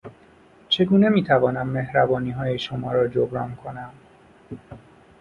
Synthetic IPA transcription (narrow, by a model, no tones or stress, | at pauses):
t͡ʃʰe̞ɡuːne̞miːt̪ʰævɒːnæmːe̞hɾæbɒːniːɦɒːje̞ʃomɒːɾɒːd͡ʒobɾɒ̰ːnkʰo̞næm